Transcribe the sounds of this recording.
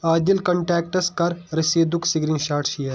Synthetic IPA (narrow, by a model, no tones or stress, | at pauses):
aːd̪ilkɐ̃ɳʈɛːk̚ʈəskɐɾɾɐseːd̪ʊkʰsiɡɾĩnʃaːɾʈʃijəɾ